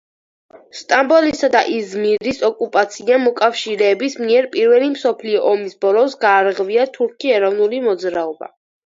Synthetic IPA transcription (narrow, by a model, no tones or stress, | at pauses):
st̪ʼambɔlisad̪a̰ʔizmiɾisɔkʼupʼat̪sʰiamɔkʼafʃiɾɛːbismiɛɾpʼiɾvɛlimsɔpʰliɔʔɔmisbɔlˠɔsɡaːɾʁviat̪ʰuɾkʰiɛɾɔvnulimɔd̪zɾaɔba̰